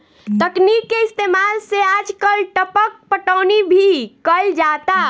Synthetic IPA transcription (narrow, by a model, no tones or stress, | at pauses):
t̪əknikːeist̪emalsead͡ʒkəlʈəpək̚pəʈəːnibʱikəld͡ʒat̪a